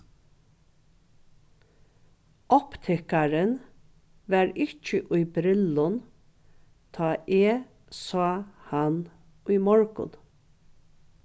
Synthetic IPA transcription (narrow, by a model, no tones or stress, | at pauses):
ʔɔpt̪ʰɛkɑɾən | ʋæːɾɪc͡çəʔʉɪbɾɪlʊn | t̪ʰɑːʔeː | sɑːhɑn | ʉːmɔɹɡʊ̰n